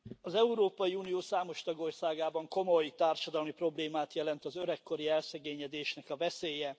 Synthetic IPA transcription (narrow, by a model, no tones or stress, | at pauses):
ɒzɛuɾoːpɒjiuːnijoːsaːmo̞ʃt̪ɒɡo̞rsaːɡaːbɒŋko̞mo̞jt̪aːrʃɒd̪ɒlmipro̞bleːmaːt̪jɛlɛnt̪ɒzøɾɛkːo̞ɾiɛlsɛɡeːɲɛd̪eːʃnɛkɒvɛseːjɛ